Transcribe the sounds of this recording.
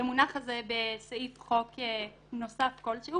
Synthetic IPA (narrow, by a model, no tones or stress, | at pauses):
emunaχazebesaifχoke | no̞safko̞lʃeu